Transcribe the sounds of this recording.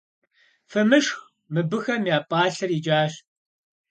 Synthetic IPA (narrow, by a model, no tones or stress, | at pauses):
fɨmɨʂx | mɨbɨxɐmjaːpʼaːɬɐrid͡ʒaːɕ